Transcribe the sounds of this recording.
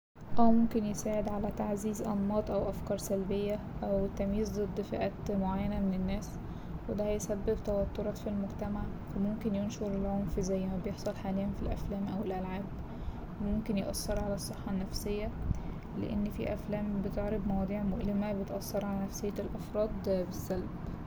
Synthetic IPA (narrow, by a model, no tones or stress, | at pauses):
ʔæwmomkenjesaːʕed̪ʕalæt̪aʕziːzʔɑnmɑːt̪ˤʔæwʔæfkɑːɾˤsælbejːæ | ʔæwt̪ːæmjiːzd̪ˤɨd̪ˤːfeʔæːt̪moʕajːænæmenenːæːs | wed̪æhæjsæbːebt̪æwæt̪ːoɾˤɑːt̪filmoɡt̪æmaʕ | fæmomkenjonʃoɾelʕomfzæjːmæbjeħsˤɑlħaːlejænfilʔæ̰flæːmʔæwelʔælʕaːb | wemomkenjeʔɑsːɑɾˤʕalæsˤːeħːɑnːæfsejːæ | lḛʔenːfḭʔæflæːmbet̪eʕɾɑbmɑwɑːd̪ˤiːʕmoʔlemæbet̪ʔɑsːɑɾˤʕalænæfsejːælʔæfɾˤɑːd̪ˤbesːælb